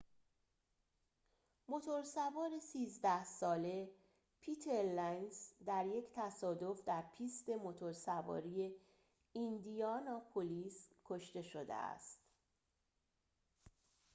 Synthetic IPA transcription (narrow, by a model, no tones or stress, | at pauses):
mo̞t̪ʰo̞ɾsævɒːɾe̞siːzd̪æhsɒːle̞ | pʰiːt̪ʰeɾlæjnsd̪æɾje̞cʰt̪ʰæsɒːd̪o̞fd̪æɾpʰiːst̪e̞mo̞t̪ʰo̞ɾsævɒ̰ːɾije̞ | ind̪ijɒːnɒːpʰoliːskʰo̞ʃt̪e̞ʃod̪ḛæ̰st̪